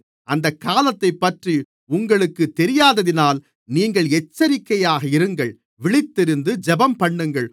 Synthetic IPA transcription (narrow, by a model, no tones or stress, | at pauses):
ʔɐnd̪ɐkːaːlɐt̪ːɐɪpːɐʈri | ʊŋɡɐɭɯkːɯt̪ːɛɾɪjaːðɐðɪnaːl | niːŋɡɐɭɛt͡ʃːɐɾɪkːɐjaːɣɐɪɾɯŋɡɐɭ | ʋɪɭɪt̪ːɪɾɯnd̪ɯd͡ʒɛbɐmpɐɳːɯŋɡɐɭ